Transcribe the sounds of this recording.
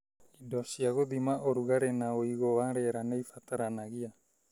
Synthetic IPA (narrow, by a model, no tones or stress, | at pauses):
idosiaɣod̪imaʔoɾuɡaɾenaoiɡoaɾeɾaneijfat̪aɾanaɡia